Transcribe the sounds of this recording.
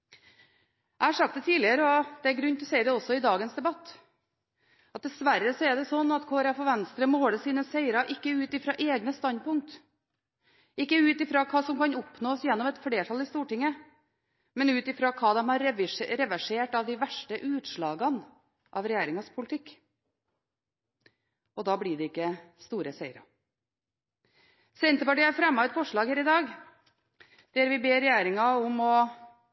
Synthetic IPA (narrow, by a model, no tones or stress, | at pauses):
ʔæɪhɑʂɑk̚t̪d̪ɛt̪ʰiːlɪəɾəɔd̪̥ɛæɾɡɾʉnːt̪ʰlɔsɛɪd̪ɛɔsːɔɪd̪ɑːɡənsd̪ɛbɑt̪ː | ɑt̪̚d̪ɛsʋæɾːəsɔɛɖ̪ɛsɔnːɑt̪kʰoːɾɑfɔʋɛnst̪ɾəmoːɽəsiːnəseɪɾɑʔɪkːəʉːt̪ɪfɾɑʔeːɡnəst̪ɑnd̪pʊŋk̚t̪ | ʔɪkːəʉːt̪ɪfɾɑkʰɑːsɔmkɑnɔpnoːsjɛnːɔmɛt̪fɽeːʈʰɑlɪst̪uːʈɪŋːə | mɛnʉːt̪ɪfɾɑːkʰɑːd̪ɛmɑɾɪɾɛʋæʂeːʈɑʋd̪ɪʋæʂʈəʔʉːt̪ʂɭɑːɡɑn | ʔɑ̰ʋɾɛjæːɾɪŋɑspʰʊlɪt̪ʰɪkː | ɔd̪ɑːblɪɖɛɪkːəst̪uːɾəsæɪəɾɑ̰ | sɛnt̪əpɑʈiːæɾfɾɛmːɑɛt̪fɔʂɭɑːɡheːɾɪd̪ɑːɡ | d̪̥æɾʋɪbeːɾɛjæːɾɪŋɑɔmɔ